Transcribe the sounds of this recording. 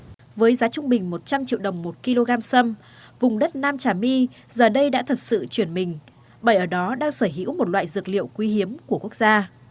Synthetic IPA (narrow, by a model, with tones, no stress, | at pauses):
vəː˨˦jzaː˨˦t͡ɕʊ˧ŋ͡mɓï˨˩ŋ̟mo˨˩t̚t͡ɕa˧mt͡ɕḭ˧˨əwɗə˨˩wŋ͡mmo˨˩t̚ki˧lo˧ɣaː˧msə˧m | vʊ˨˩ŋ͡mɗə˦˥t̚naː˧mt͡ɕaː˧˩mi˧ | zəː˨˩ɗə˧jɗa̰ː˧˥t̪ʰə˨˩t̚sɨ̰˧˨t͡ɕwi˧˩ənmï˨˩ŋ̟ | ɓa˧˩ʔəː˧˩ɗɔ˨˦ɗaː˧ŋsəː˧˩ɦḭ˧˥wmo˨˩t̚la̰ː˧˨jzɨ˨˩ək̚lḭ˧˨əwkwi˧hi˨˦əmku˧˩əku˦˥ək̚zaː˧